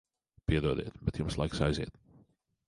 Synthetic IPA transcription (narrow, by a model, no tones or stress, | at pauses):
piɛd̪uɔd̪ḛːt̪bɛt̪jʊmslˠa̰jksajzḛːt̪̚